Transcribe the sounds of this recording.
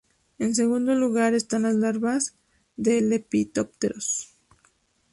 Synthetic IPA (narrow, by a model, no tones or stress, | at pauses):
e̞ns̬e̞ɣũnd̪o̞luɣaɾe̞st̪anlazlaɾβaz | ðelepit̪op̚t̪eɾos